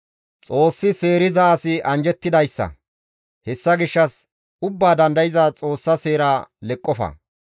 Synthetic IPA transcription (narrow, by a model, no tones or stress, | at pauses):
t͡sʼo̞ːsːɪse̞ːɾɪzaːsɪʔɐnd͡ʒɛt̪ːɪd̪ɐjsːɐ̰ | hɛsːɐɡɪʃːɐs | ʊbːaːd̪ɐnd̪ɐjɪzaːt͡sʼo̞ːsːɐse̞ːɾaːlɛkʼːɔfɐ̰